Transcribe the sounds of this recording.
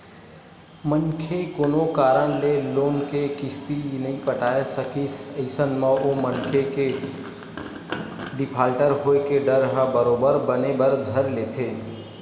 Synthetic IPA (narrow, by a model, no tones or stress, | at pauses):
mənkʰekoːnokaːɾəñleloːnkekɪst̪inɐɦĩpəʈaːesəkiseɪsənməomənkʰeke | ɖɪpʰaːlʈəɾɦoekeɖəɾɦəbəɾoːbəɾbənebəɾd̪ʱəɾleːt̪ʰeː